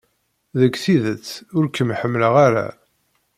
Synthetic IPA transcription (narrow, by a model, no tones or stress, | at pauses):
ðəkːθiðət͡sːʊɾkəmħəmːləʁaɾæ̰